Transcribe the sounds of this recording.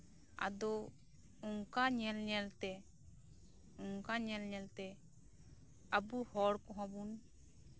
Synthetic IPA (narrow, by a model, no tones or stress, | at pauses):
a̰d̪ɔ | uŋkaɲɛlɲɛlt̪ɛ | uŋkaɲɛlɲɛlt̪ɛ | əbuhɔɽkɔ̃ɦãbun